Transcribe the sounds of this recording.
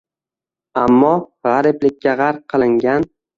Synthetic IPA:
amːɒʁɑɾɪplɪk̚ʲːaʁaɾp̚qʰɨlˠɪŋɡʲan

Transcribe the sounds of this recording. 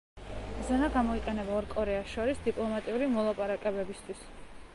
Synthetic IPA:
zɛnaɡamɔiqʼɛnɛbaɔɾkʼɔɾɛasʃɔɾisd̪ipʼlˠɔmat̪ʼiuɾimɔlˠapʼaɾakʼɛbɛbist̪ʰwis

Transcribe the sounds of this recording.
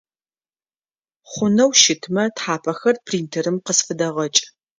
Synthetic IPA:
χʷʊnɐwʃɪtʰmɐtħaːpʰɐxɐrpʰriːntʰɨɾɨmqəsfɨdɐʁɐt͡ʃʼ

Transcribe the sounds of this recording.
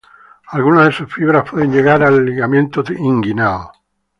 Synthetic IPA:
alɣunazðesusfiβɾaspweðeɲd͡ʒeɣaɾalːiɣamjent̪oðiŋɡinaðo

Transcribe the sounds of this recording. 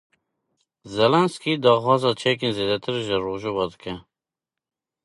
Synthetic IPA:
zɛlɛnskid̪ɑːxwɑːzɑːt͡ʃʰɛk̬eːnzeːd̪ɛt̪ʰɨɾʒəɾoːʒuvɑːd̪ɨkɛ

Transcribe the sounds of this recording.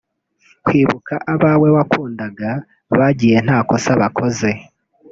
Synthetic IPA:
kwiːβukʰaʔaβawe̞βakʰuːndaɡa | βaɟije̞n̥haːko̞saβakʰo̞ze̞

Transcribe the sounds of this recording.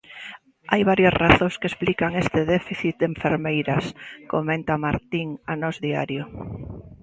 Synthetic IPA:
ajβaɾjasraθõŋskesplikaŋest̪ɪðɛfiθit̪̚d̪eɱfeɾmejɾɐskomẽnt̪amaɾt̪iŋanɔzðia̰ɾjʊ

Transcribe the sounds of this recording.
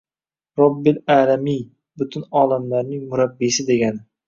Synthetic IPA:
ɾɒbːɪlaːlami | bʊt̪ʰʊnɒːlamlaɾnɪŋmʊɾabːisɪd̪e̞ɡʲanɪ

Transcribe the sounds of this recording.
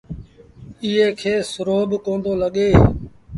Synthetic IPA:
ɪɦeːkʰeːsʊɾoːbkõːnd̪oːləɠeː

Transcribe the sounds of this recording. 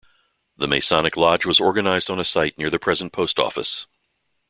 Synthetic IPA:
ðəmeɪsɑnɨklɑd͡ʒwʌzɔɹɡɨnaɪzdn̩ɨsaɪtⁿnɪɹðɨpʰɹ̥ɛz̃n̩pʰoʊstɔ̰fə̰s

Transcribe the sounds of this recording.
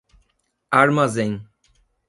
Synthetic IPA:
aɾmazẽŋ

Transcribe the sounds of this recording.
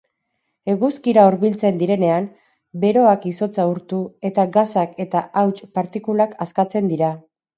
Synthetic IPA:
e̞ɣuskiɾaoɾβilt͡se̞nd̪iɾe̞ne̞am | be̞ɾo̞akiso̞t͡sauɾt̪ue̞t̪aɡasake̞t̪aʔawt͡ʃpaɾt̪ikulakaskat͡se̞nd̪iɾa

